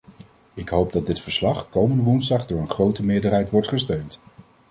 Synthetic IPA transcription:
ɪkɦowb̚dɑd̚dɪtfəɹslɑχkowməndəʋunzdɑχdʊːɹənχrowtəmɪːɹdəɹɦɛjtʋɔɹtχəstøɥnt

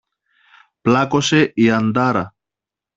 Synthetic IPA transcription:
plakoseʔiand̪aɾa̰

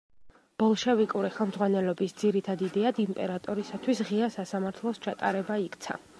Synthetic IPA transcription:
b̥ɔlˠʃɛvikʼuɾiχɛlˠmdzʁwanɛlɔbisd̪ziɾit̪ʰad̪id̪ɛad̪impʼɛɾat̪ʼɔɾisat̪ʰwisʁiasasamaɾt̪ʰlˠɔst͡ʃʰat̪ʼa̰ɾɛbaikʰʼt̪sʰa̰

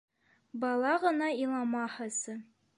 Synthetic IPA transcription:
bɑlˠɑʁɤ̆nɑilˠɑmɑhɤsɤ

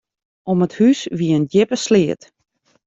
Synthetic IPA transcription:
ɔməthysʋiəəndɪpəslɪːət

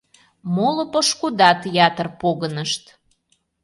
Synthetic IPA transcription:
molə̆pəʃkud̪ɑt̪jɑt̪ərpoɣənəʃt̪

